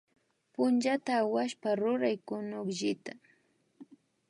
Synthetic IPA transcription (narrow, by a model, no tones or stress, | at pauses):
pʊnt͡ʃat̪aːwaʃpaɾʊɾajkʊnʊkʒɪt̪a